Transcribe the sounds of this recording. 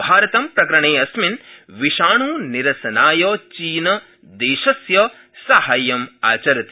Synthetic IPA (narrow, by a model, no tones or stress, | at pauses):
bʱaːɾɐt̪ɐmpɾɐkɾɐɳeːɐsminʋiʃaːɳuːniɾɐsɐnaːjoːt͡ʃiːnɐ | d̪eːʃɐsjɐ | sɐɦaːjɐma̰ːt͡ʃɐɾɐt̪i